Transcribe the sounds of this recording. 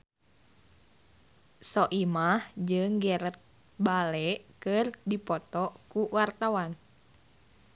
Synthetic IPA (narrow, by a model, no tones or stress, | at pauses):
sɔʔimahd͡ʒɨŋɡɛɾət̪̚ | balɛʔkɨrdipɔt̪ɔkuwart̪awan